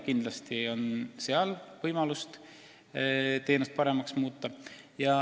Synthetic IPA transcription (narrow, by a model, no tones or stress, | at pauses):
kind̪̥lɑst̪io̞nseɑlvɤjmɑlust̪ | t̪e̞ːnust̪̚pɑɾe̞mɑksmuːt̪ːˑɑ | jɑ